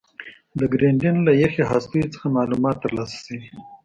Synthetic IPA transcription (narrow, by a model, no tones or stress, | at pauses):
d̪əɡɾeɳɖɪnlajexeɦaːst̪ujit͡sə̥xamɑːlumɑt̪ːəɾlɑsḁsi